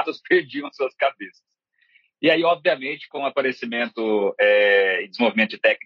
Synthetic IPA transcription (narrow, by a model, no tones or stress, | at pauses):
t̪ɐspeɾd͡ʒiɐ̃w̃suɐskabesɐs | ɪaiɔbviɐmẽt͡ʃɪ̥kõapaɾesimẽnt̪ʊɛɪ̃d͡ʒɪzmovimẽt̪ʊd͡ʒɪt̪ɛkn